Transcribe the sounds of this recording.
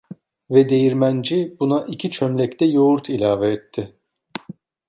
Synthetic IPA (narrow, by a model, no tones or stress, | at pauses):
vɛd̪e̞jiɾmænd͡ʒibunaʔicʰit͡ʃʰømlʲɛct̪ʰɛjo̞uɾt̪ʰilʲaːvɛːt̪ʰːɪ